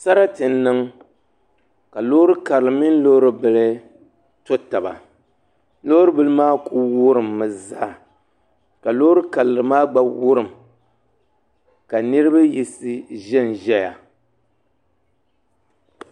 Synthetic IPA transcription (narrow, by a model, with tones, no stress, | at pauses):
sa˦ɾa˦tɨ˨nːɨ˦ŋ | ka˨lo˦ɾɨ˦ka˨llɨ˨mi˦n̩˦lo˦ɾɨ˦bɨ˨lɨ˦ | to˦ta˨ba̰˨ | lo˦ɾɨ˦bɨ˦lɨ˦maː˦kʰu˦wʊ˦ɾɨ˨mːɨ˨za˦˨ | ka˨lo˦ɾɨ˦ka˨lɨ˨ɾɨ˨maː˦ɡ͡ba˦wʊ˦ɾɨ˨m | ka˨nɨ˦ɾɨ˦ba˦ji˨sɨ˦ʒɛ˦nʒɛ˦ja̰˨